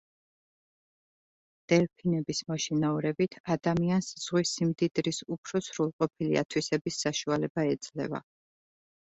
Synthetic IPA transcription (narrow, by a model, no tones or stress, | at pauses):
d̪̥ɛlpʰinɛbismɔʃinauɾɛbit̪ʰad̪amiansz̥ʁwisimd̪id̪ɾisupʰɾɔsɾulˠqʼɔpʰilḭa̰t̪ʰwisɛbisːaʃualɛbaɛd̪zlɛ̰va̰